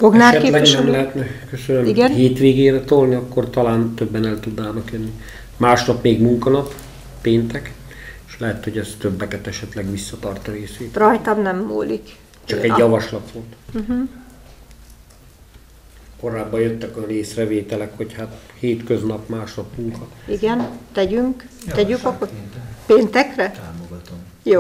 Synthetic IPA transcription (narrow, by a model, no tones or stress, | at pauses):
foɡnaːɛlɛɡnɛmlɛɦɛt̪nɛkøsønømiɡɛnɦeːt̪ʋeːɡeːɾɛt̪olniɒkːo̞rt̪ɒlaːnt̪øbːɛnɛlt̪ud̪naːnɒkjønːi | maːʃnɒpmeːɡmuŋkɒnɒpː | eːnt̪ɛk | eʃlɛɦɛt̪ho̞ɟɛst̪øbːɛkɛt̪ɛʃɛt̪lɛɡʋisːɒt̪ɒrt̪ɒɾeːseːt̪rɒjt̪ɒmnɛmːo̰ːlḭk | t͡ʃɒkɛjɒvɒʃlɒt̪font̪m̩ɦ̩ | ko̞ɾaːbːɒjøt̪ːɛkɒneːsrɛveːt̪ɛlɛkho̞chat̪heːt̪køznɒpmaːʃnɒpmuŋkɒiɡɛnt̪ɛɟyŋk | t̪ɛɟykɒkopeːnt̪ɛkrɛt̪aːmoɡɒt̪om | joː